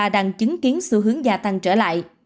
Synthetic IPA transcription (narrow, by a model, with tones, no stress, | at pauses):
aː˧˩ɗa˧˩ŋt͡ɕɨ˨˦ŋki˨˦ənsɨ˧ɦɨ˨˦əŋzaː˧˩t̪a˧ŋt͡ɕəː˧˩la̰ː˧˨jʔ